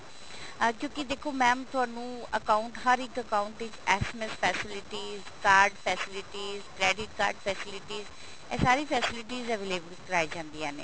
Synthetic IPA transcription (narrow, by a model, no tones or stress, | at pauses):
kjõːkid̪eːkʰoːmɛ̃ːmt̪ʊaːnũːəkãːʊɳʈɦəɾɪkəkaːʊ̃ɳʈɪt͡ʃɛːsɛmɛspʰɛːsɪlɪʈiːzkaːɾɖpʰɛːsɪlɪʈiːzkɾɛːɖɪʈ̚ka̰ːɾɖpʰɛːsɪlɪʈiːz | ɛːsaːɾiːpʰɛːsɪlɪʈiːzɛʋeːleːbəlkəɾaːid͡ʒãːnd̪iːɛ̃ːnḛː